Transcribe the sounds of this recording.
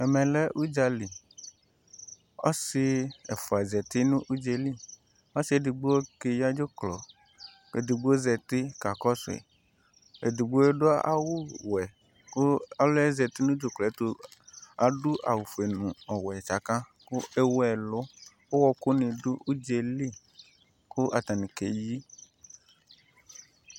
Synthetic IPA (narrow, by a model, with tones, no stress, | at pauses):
ɛ˨mɛ̃˨lɛ˦ʔu˦d͡ʒa˦li˨ | ɔ̰˦sɪ˦ɛ̰˨fʊ˨a˨zɛ˨t̪ɪ˦nʊ̃˦ʔu˦d͡ʒe˨li˦ | ɔ˦sɪ˦e˨di˨ɡ͡bu˦o˦ke˨ja˦d͡ʒo˦klɔ̰˨ | ḛ˨di˨ɡ͡bu˦o˦zɛ˨t̪ɪ˦ka˨kɔ˦sʊ˨ɛ̰˨ | e˨di˨ɡ͡bu˦e˦ɖʊ˦a˦ʔa̰˦wʊ˦wɛ˨ | kʊ˦a˨lʊ˦ɛ˦zɛ˨t̪ɪ˦nũ˦d͡ʒo˨klɛ˨˦t̪o˨a˨ɖʊ˦ʔa̰˨wu˨fu˨e˨nũ˨ɔ˨wɛ˨t͡ʃa˨kã˦ | kʊ˦e˦wɛ˨lʊ˦ | o˦wɔ˦kʊ˦nɪ̃˨dʊ˦u˦d͡ʒe˨li˦ | kʊ˦ʔa̰˨t̪a˨nĩ˨ke˨ji˦